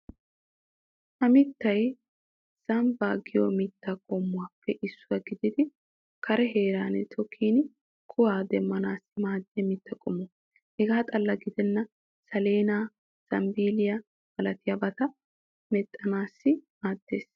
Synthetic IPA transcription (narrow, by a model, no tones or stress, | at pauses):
ʔɐmɪt̪ːɐj | sɐmbaːɡɪjomɪt̪ːakʼɔmːʊwaːpːɛʔɪsːʊwɐɡɪd̪ɪd̪ɪ | kʰɐɾɛɦe̞ːɾaːnt̪ʰɔkʰːiːnɪ | kʰʊwaːd̪ɛmːɐnaːsːɪmaːd̪ːɪjɐmɪt̪ːɐkʼʊmɔ | hɛɡaːt̪ʼɐlːɐɡɪd̪ɛnːɐ | sɐleːnaː | sɐmbiːlɪjɐ | b̥ɐlɐt̪ɪjɐbɐt̪ɐ | mɛt̪ʼːɐnaːsːɪmaːd̪̥ːe̞ːs